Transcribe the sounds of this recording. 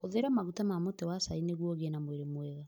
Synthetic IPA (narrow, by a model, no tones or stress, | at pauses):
oðeɾamaɣutamamotɛwasaineɣwɔɣenamweɾemwɛɣa